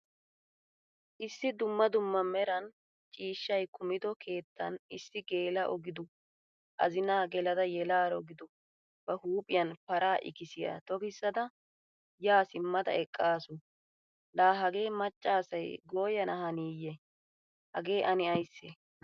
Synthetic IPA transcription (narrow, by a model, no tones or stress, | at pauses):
ʔɪsːɪd̪ʊmːɐd̪ʊmːɐmɛɾɐn | t͡ʃʼiːʃːɐjkʊmɪd̪ɔkʰe̞ːt̪ʰːɐ̰nɪsːɪɡe̞ːlɐʔɔɡɪd̪ʊ | ʔɐ̰zɪnaːɡɛlɐd̪ɐjɛlaːɾɔɡɪd̪ʊ | b̥ɐhuːpʼɪjɐnpɐɾaːʔɪ̰kɪsɪjɐ̰t̪ɔɡɪsːɐd̪ɐ | jaːsɪmːɐd̪ɐ̰ɛkʼːaːsʊ | laːɦɐɡe̞ːmɐt͡ʃʼːaːsɐjɡo̞ːjɐnɐɦɐniːjɛ | hɐ̰ɡe̞ːʔɐnɪɐjsːɛ